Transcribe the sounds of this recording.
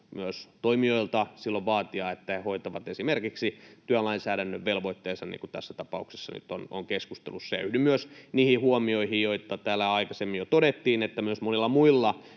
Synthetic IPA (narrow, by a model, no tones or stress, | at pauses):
myøst̪oimioilt̪ɑsilːoʋʋɑːt̪iɑet̪ːæhehoit̪ɑʋɑt̪esimerkiksit̪yælɑinsæːɾænːøʋʋelʋoit̪ːeːsɑnḭːŋkut̪æ̰sːæt̪ɑpɑ̰ukse̥sːɑ̰ny̰t̪o̰no̰ŋkeskust̪ḛlussḛynymyøsniːhihuomioihijjoit̪ɑt̪æːlːæɑikɑsemːijot̪odet̪ːiːnet̪ːæmyøsmonilːɑmuilːɑ